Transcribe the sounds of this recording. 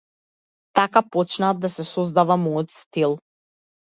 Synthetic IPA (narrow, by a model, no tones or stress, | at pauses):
t̪akapɔt͡ʃnaːd̪̚d̪asɛsɔzd̪avamɔjɔt̪st̪ilˠ